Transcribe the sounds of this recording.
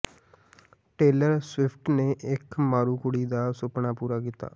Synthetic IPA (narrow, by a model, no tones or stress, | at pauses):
ʈeːləɾswɪpʰʈneːʔɪkmaːɾuːkʊɽiːd̪aːsʊpɳaːpuːɾaːkiːt̪a̰ː